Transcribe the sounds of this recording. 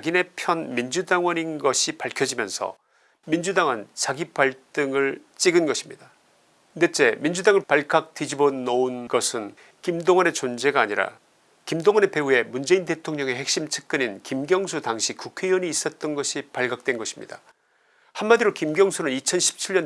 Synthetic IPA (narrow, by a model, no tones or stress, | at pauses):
ɡine̞pʰjʌnmind͡ʑudaŋwʌninɡʌɕʰipaɭkʰjʌd͡ʑimjʌnsʰʌ̰ | mind͡ʑudaŋwant͡ɕaɡipaɭt͈ɯŋɯɭt͡ɕ͈iɡɯnɡʌɕʰimɲid̥a | ndet͡ɕ͈e̞mind͡ʑudaŋɯɭpaɭɡak̚t͈id͡ʑibonounɡʌsʰɯn | kimdoŋwʌne̞t͡ɕond͡ʑe̞ɡaːɲiɾa̰ | kimdoŋwʌne̞pe̞ɦue̞mund͡ʑe̞inde̞tʰoŋɲʌŋe̞ɦe̞k̚ɕ͈imt͡ɕʰɯ̥k̚k͈ɯɲinkimɡjʌŋsʰutaŋɕʰikukʰe̞iwʌɲiːs͈ʌt̚t͈ʌnɡʌɕʰipaɭɡak̚t͈we̞nɡʌɕʰi̥mɲḭd̥a | hanmadiɾokimɡjʌŋsʰunɯnit͡ɕʰʌnɕʰi̥p̚t͡ɕʰiɭɲʌn